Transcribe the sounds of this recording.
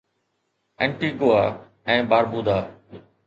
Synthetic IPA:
ɛ̃ɳʈiːkoaː | ɛ̃ːbaːɾbuːd̪aː

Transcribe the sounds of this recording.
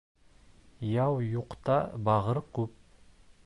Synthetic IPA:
jɑwjuqt̪ɑbɑʁɤɾkʉp̚

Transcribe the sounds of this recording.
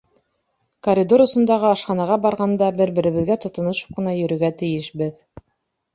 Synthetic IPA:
koɾʲid̪oɾŏsɤ̆nd̪ɑʁɤɑʃqɑnɑʁɑbɑɾʁɑnd̪ɑbɘ̆ɾbɘ̆ɾɘ̆βɘ̆ðɡæt̪ŏt̪ŏnŏʃɤ̥p̚qɤ̆nɑjɵ̆ɾɵ̆ɡæt̪ɘ̆jɘʃbɘð

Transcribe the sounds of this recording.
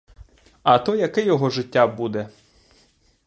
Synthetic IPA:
ɐt̪ɔjɐkɪjɔɦɔʒɪtʲːabud̪ɛ

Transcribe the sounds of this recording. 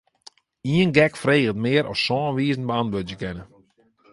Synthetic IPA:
iənɡɛkfreːɣətmɪːəɾʔɔ̰ssɔːnʋiəzən̩bəantʋødjəkɪnə

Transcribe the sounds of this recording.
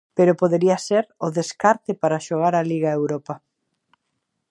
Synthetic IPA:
peɾʊpoðeɾiɐseɾʊðeskaɾt̪ɪpaɾɐʃoɣ̞aɾɐliɣɐewɾopɐ

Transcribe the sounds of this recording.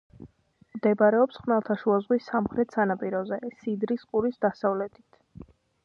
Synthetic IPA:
md̪ɛbaɾɛɔpsχmɛlˠt̪ʰaʃuazʁwisːamχɾɛt̪ʰsanapʼiɾɔzɛsid̪ɾisqʼuɾisd̪asavlɛt̪ʰʼit̪ʰ

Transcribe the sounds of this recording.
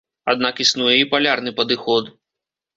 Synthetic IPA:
ad̪̚nakisnujɛipalʲarnɨpɐd̪ɨxɔt̪

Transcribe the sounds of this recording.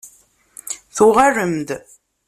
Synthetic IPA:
θuʁarəmd̪

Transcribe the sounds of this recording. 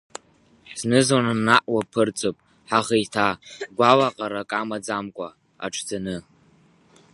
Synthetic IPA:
z̥nɨzwananːaʔwapʰɨrt͡sʼopʼ | ħaʁejtʰaɡʷalaqʼaɾakʼamad͡zamkʷʼa | a̰ʈ͡ʂʰd͡zanɨ

